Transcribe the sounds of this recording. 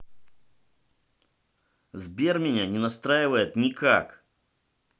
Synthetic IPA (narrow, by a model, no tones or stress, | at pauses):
zbʲermʲɪnʲanʲɪnɐst̪ɾajɪvəjɪt̪nʲɪka̰k